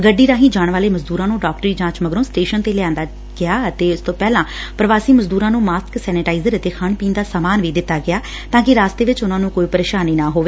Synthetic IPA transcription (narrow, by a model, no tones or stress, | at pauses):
ɡəɖːiːɾaːɦĩːd͡ʒaːɳʋaːleːməzd̪uːɾãːnũːɖaːk̚ʈəɾiːd͡ʒãːt͡ʃməɡɾõːsʈeːʃənt̪eːlɪjãːnd̪aː | ɡ̥ɪjaːət̪eːʊst̪õːpɛːlãːpɾəʋaːsiːməzd̪uːɾãːnũːmaːsksɛːnɪʈaizəɾət̪eːkʰaɳpĩːnd̪aːsaːmaːnʋiːd̪ɪt̪ːaːɡɪjaː | t̪ãːkɪɾaːst̪eːʋɪt͡ʃʊnãːnũːkoːiːpəɾeːʃaːniːnãːɦoːʋeː